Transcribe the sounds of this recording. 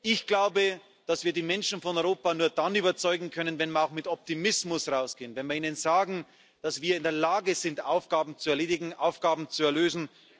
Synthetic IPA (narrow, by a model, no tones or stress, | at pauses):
ʔɪçɡ̥laʊbə | d̥asv̥iːɐdiːmɛnʃn̩fɔnɔʏʁoːpanuːɐd̥anyːbɐt͡sɔʏɡŋ̩kʰœnənvɛnviːɐaʊxmɪtɔp̚timɪsmʊsʁaʊsɡ̥eːənvɛnviːɐiːnənzaːɡŋ̩ | d̥asv̥iːɐɪndeːɐlaːɡəzɪntʔaʊfɡ̥aːbm̩t͡suɛɐleːdɪɡŋ̩ʔaʊfɡ̥aːbm̩t͡suɛɐløːzn̩